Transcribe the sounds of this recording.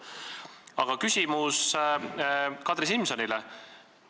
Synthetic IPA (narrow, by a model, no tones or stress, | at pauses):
ɑ̰ɡ̥ɑkysimus | kɑt̪risimso̞nilɛ